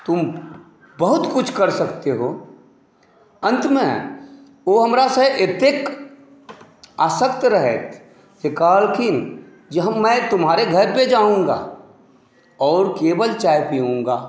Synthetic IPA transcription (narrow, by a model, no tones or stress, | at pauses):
t̪ʊm | bɐɦʊt̪kʊt͡ʃʰkɐɾsəkt̪eɦoː | ə̃nt̪mẽ | oːɦɐmɾaseʔet̪eːk | aːsəkt̪ɾəɦɛt̪ | d͡ʒekaːlkʰɪn | d͡ʒəɦmɛ̃ːt̪ʊmɦaːɾeɡʱɐɾped͡ʒaːũːŋɡa̰ | ɔːɾkeːbəlt͡ʃaːjpiũːŋɡaː